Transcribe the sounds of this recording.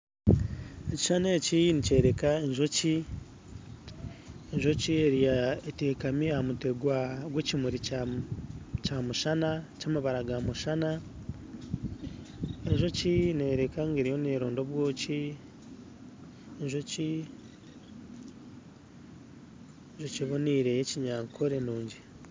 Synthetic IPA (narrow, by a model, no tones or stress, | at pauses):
eci̥ʃaneːcinice̞ːɾekaeɲʒoci | eɲʒo̞cie̞ɾijaeteːkamiahamuteɡwaɡwecimuɾi | camuʃanacaːmaβaɾaɡamuʃana | eɲʒo̞cine̞ːɾekaŋɡeɾijo̞neːɾoːndo̞βwo̞ːci | eɲʒoci | eɲʒociβoniːɾejeciɲaːŋkʰoɾenuːɲɟi